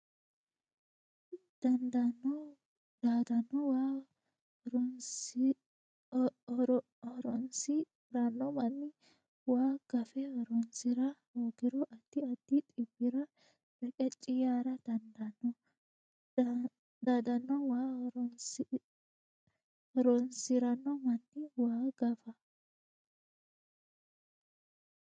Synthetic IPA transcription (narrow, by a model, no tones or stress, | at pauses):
d̪̥ɐnd̪ɐnɔ | d̪̥aːd̪ɐnːɔwa | ɾn | ɔɾɔnsɪ | ɾanːɔmɐnːɪ | waːɡ̥ɐfɛɔɾɔnsɪɾɐɾoːɡɪɾɔʔɐt̪ːɪɐt̪ːɪt̪ʼɪbːɪɾɐ | b̥ɛkʼɛt͡ʃʼːɪjaːɾɐd̪̥ɐnd̪ɐnɔ | d̪ɐd̪ɐnːɔwaːɾɔn | ɾɔnsɪɾɐnːɔmɐnːɪwaːɡɐfɐ